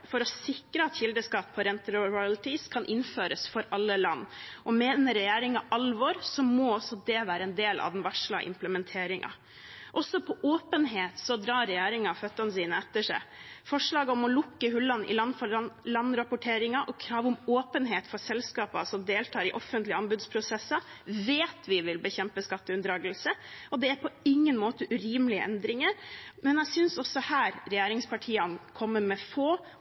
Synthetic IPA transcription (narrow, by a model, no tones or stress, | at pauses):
fɔɾɔsɪkɾəɑt̪çɪld̪əskɑt̪̚pʰɔɾɛnt̪əɾɾʊɑlt̪ɪskʰɑnʔɪnføːɾəsfɔɾɑlːəlɑnːʔɔmeːnəɾɛjæːɾɪŋɑʔɑlʋɔːɾsɔmoɔsːɔd̪ɛʋæːɾəɛnd̪eːlʔɑ̰ʋd̪nʋɑʂɭɑ̰ʔɪ̰mpləmɛnt̪ʰeːɾɪŋʔɑ̰ | ʔɔsːɔpʰɔʔoːpənɦeːt̪sɔd̪ɾɑːɾɛjæːɾɪŋɑfœt̪ːɑnəsiːnəɛt̪ːəʂæ̰ɪfɔʂɭɑːɡəɔmɔlʊkːəhʉlːɑnʔɪ̰lɑnfɔlɑnːɾɑpʊʈʰeːɾɪŋɑʔɔkʰɾɑːʋʊmoːpənɦeːt̪fɔɾsɛlskɑːpɑsɔmd̪eːlt̪ʰɑːɾɪʔɔfːənt̪lɪəɑnbʉd̪spʰɾʊsɛsːɑʋeːt̪ʋɪʋɪlbəçɛmpəskɑt̪ːəʉnd̪ɾɑːɡəlsəɔd̪ɛæɾpʰɔɪŋːənmoːt̪əʔʉɾiːmlɪə̰ʔɛ̰nd̪ɾɪŋəɾmɛnæsʏnsɔsɔhæːɾɾɛjæːɾɪŋspʰɑʈʰiːɑnkʰɔmːəmɛfoː